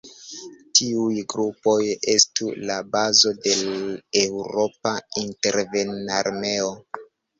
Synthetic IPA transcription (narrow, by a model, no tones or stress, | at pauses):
tʰiujɡɾupo̞jestulabazo̞de̞lewɾo̞painte̞ɾve̞naɾme̞o̞